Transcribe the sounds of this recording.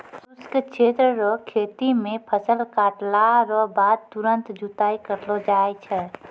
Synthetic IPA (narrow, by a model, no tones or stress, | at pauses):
suskt͡ʃʰeːt̪ɾəɾɔkʰet̪imẽpʰəsəlkaʈlaɦɾɔbaːd̪̚t̪uɾənt̪d͡ʒut̪aːikəɾlɔd͡ʒaːɛt͡ʃʰɛ